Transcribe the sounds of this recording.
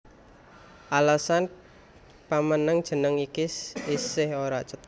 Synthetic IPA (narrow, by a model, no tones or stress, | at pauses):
ʔalasan | pamənəŋd̥ʒ̥ə̤nəŋikisisɪhoɾaʔt͡ʃət̪